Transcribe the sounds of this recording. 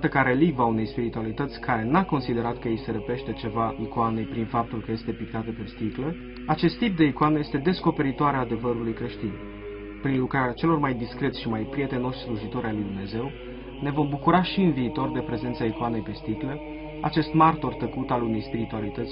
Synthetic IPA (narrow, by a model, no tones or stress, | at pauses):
t̪əkaɾe̞livaune̞jspiɾit̪ualit̪ət̪sʲkʰaɾe̞nako̞nsid̪e̞ɾat̪kəjejseɾəpe̞ʃt̪e̞t͡ʃe̞vaʔikoane̞jpɾinfap̚t̪ulkəje̞st̪e̞pik̚t̪at̪əpe̞st̪iklə | at͡ʃe̞st̪ːip̚d̪e̞ikuanejest̪e̞d̪e̞sko̞pe̞ɾit̪oaɾeaːd̪e̞vəɾulujkɾe̞ʃt̪in | pɾinlukɾaɾʲat͡ʃe̞lo̞rmajd̪iskɾe̞t̪sʲʃimajpɾije̞t̪e̞no̞ʃsluʒit̪o̞ɾalujd̪umne̞ze̞w | ne̞vo̞mbukuɾaʃiɨnviːt̪o̞rd̪e̞pɾe̞zent̪saikoane̞jpe̞st̪iklə | at͡ʃe̞st̪mart̪o̞rt̪əkut̪alune̞jspiɾit̪ualit̪ət̪sʲ